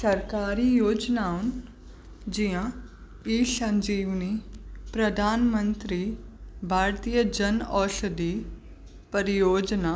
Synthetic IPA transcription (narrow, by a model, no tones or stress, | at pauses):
səɾkaːɾiːjoːd͡ʒnaːʊn | d͡ʒiã | iːsə̃ɲd͡ʒiːʋnipɾəd̪ʱaːnmə̃nt̪ɾiːbʱaːɾt̪ijəd͡ʒənɔːʃəd̪iː | pəɾɪjoːd͡ʒnaː